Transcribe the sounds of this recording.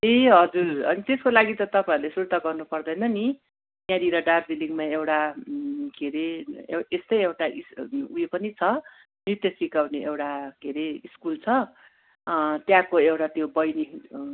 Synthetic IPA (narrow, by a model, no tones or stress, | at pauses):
eɦʌd͡zurʌnit̪eskolaɡit̪ʌt̪ʌpaiuɾlesuɾt̪aɡʌrnupʌrd̪ʌjnʌni | mjãɾiɾʌɖarbiliŋmaewʈa | kʰeɾeest̪ʌjewʈaʔisujepʌnit͡sʰʌ | nit̪jʌsikawneʔewʈakeɾeiskult͡sʰʌ | t̪jãkoewʈat̪jobʌjni